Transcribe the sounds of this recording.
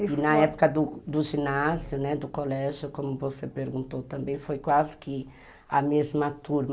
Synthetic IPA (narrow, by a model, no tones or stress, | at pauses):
ɪnnɐɛpo̥kɐd̪ʊd̪ʊʒinazjʊnɛd̪ʊkolɛʒjʊkõmʊvosepeɾɡũnt̪owt̪ɐ̃mbẽj̃fojkwazɪkɪ | ɐmezmɐt̪uɾm